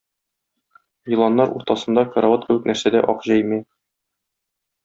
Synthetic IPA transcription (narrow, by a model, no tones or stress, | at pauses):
jɤ̆lˠɑnːɑɾṵɾt̪ɑsɤ̆nd̪ɑkɐɾavɑt̪̚kɘwɘ̆k̚næɾsæd̪æ̰ʔɒqʑæjmæ